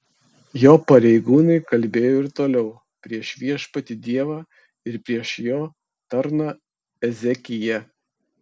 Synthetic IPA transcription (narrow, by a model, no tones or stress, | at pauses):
joːpɐɾʲɛɪɡuːnɐɪkɐlʲbʲeːjoːɪɾt̪oːlʲɛʊ | pʲɾʲiɛʃʋʲiɛʃpɐt̪ʲɪd̪ʲiɛʋɑː | ɪɾpʲɾʲiɛʃjoː | t̪ɐɾnɐ | ɛzʲɛkʲɪjɛ